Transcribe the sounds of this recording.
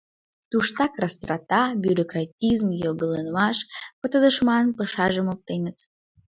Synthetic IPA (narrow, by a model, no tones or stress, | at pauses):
t̪uʃt̪ɑkrɑst̪rɑt̪ɑbʲjyɾokrɑtʲizmjoɣələnmɑʃpət̪ə̆d̪əʃmɑnpəʃɑʒəmop̚t̪enət̪